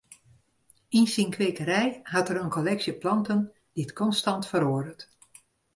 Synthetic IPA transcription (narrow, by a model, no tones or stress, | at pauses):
insinkʰʋeːkəɾɛjhatəɾənkolɛksjəplɑntən | d̥iətkʰɔnstɑntfəɾoədət